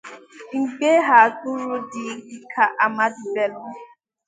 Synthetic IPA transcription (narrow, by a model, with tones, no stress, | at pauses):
ŋ̩˨ke˦ɦa˨tʊ˦ɾʊ˦dɪ˨˦ɡi˦kʰa˨ʔa˨ma˦dbe˨lʊ˦